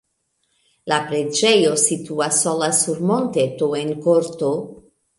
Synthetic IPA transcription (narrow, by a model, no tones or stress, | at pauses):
lapɾed͡ʒejosit̪uasːolasuɾmont̪et̪oenkoɾt̪o